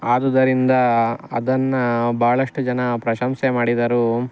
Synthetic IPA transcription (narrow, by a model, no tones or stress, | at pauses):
aːd̪ɐd̪ɐɾind̪ɐɐd̪ɐnːɐbaːɐɭɐʂʈud͡ʒɐnɐpɾɐʃɐmsemaːɽid̪ɐɾu